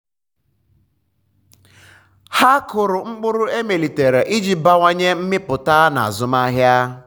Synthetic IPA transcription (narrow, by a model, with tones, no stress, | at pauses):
ha˦kʊ˨ɾʊ˨ŋ͡m̩˦k͡pʊ˦ɾʊ˦e˦me˨li˨te˨ɾe˨ʔi˦d͡ʒi˨ba˦ŋʷa˦ɲe˦m̩˦mɪ˦pʊ˨ta˦na̰˨a̰˨zʊ˨ma˦ɦja˦